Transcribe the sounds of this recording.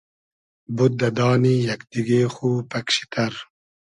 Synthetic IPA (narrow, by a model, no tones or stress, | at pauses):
but̪̚d̪ɐd̪ɑːnijɐkd̪iɡeːxuːpɐkɕi̥t̪ʰɐɾ